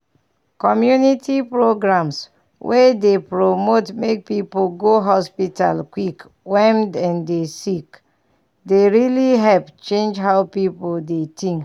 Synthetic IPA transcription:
kɔmjunitʰipɹoɡɹãms | wʔɛdepɹomotmek̚pipolɡoɦɔspita̰lkwik | wɛmdɛ̃ndesik | deɹiliɦɛlpt͡ʃẽnd͡ʒɦaʊpipoldetʰĩŋk

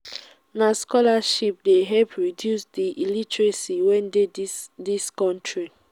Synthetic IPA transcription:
naskɔlaʃip̚deɦɛpɹidjusdiʔilitɹesiwɛ̃ndediskɔ̃ntʰɹi

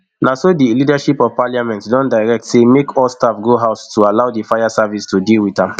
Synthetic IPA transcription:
nasodilidaʃipɔv̥paljamɛ̃ntsdɔ̃ndaɪɹɛk̚tsemekʰɔlstafɡoɦaʊstualaʊdəfajasavistʰudilwiðãm

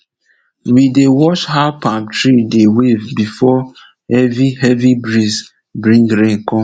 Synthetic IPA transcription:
widewɔʃhaʊpãmtɹidewevbifɔ | ɛviɦɛvibɹis | bɹĩŋɡɹẽŋkɔ̃m

